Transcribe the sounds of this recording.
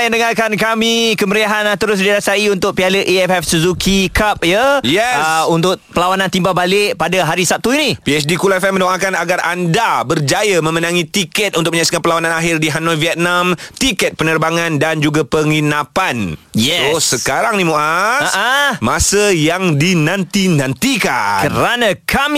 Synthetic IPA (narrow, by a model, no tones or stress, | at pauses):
jandəŋarkankamikəməɾiaɦanat̪əɾʊs̬diɾasaiunt̪ʊk̚pialəʔiɛfɛfsəzukʰikap̚jəjɛsunt̪ʊʔ̚pəlawanãnt̪imbabalɪʔpadaɦaɾisap̚t̪uinipiɛsdikulafɛmdɔŋakanaɡara̰ndabərd͡ʒajamə̃mənãŋĩt̪ikɛt̪̚unt̪ʊkməɲaksi̥kanpəlawanãnaɦɪrdiɦanɔlviɛt̪̚namt̪ikɛt̪̚pənərbaŋãndand͡ʒuɡapəŋinapanjɛossəkaɾaŋnimuʔaasəmasəjaŋdinãnt̪inãnt̪ika̰kəɾanãkʰam